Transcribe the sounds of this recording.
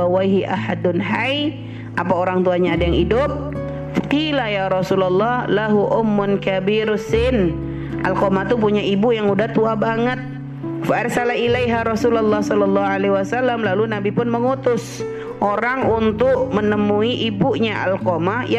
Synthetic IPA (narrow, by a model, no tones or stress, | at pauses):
awajɦiʔa̰hadʊnɦaj | ʔapaoɾaŋt̪uaɲaːdajaŋidʊp̚ | qilajaɾɔsulalːɑhlaɦuʔʊmːʊnkabiɾsɪn | ʔalkomat̪up̬uɲaibujaŋudaht̪uabaŋət̪̚ | faarsalailajɦaɾɔsulalːɑhsɔlɔlːɑɦuʕaleɦiwasalːamlalunabipʊnməŋut̪ʊs | ʔoɾaŋunt̪ʊʔmənəmuiʔibuɲaʔa̰lkomaja